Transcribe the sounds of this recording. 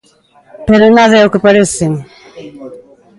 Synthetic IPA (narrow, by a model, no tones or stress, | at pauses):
pɐɾɐnaðɐɛukɨpɐɾesem